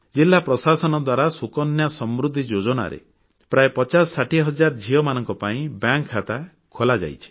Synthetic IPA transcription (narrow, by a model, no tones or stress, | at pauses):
d͡ʒilːapɾɔsasɔnɔd̪waɾasukɔnjasɔmɾud̪ʱːid͡ʒod͡ʒɔna̰ɾḛ | pɾaepɔt͡ʃasːaʈʰiɦɔd͡ʒaɾd͡ʒʱiɔmanɔŋkɔpaĩbjaŋkʰːat̪a | kʰolad͡ʒa̰jt͡ʃʰi̥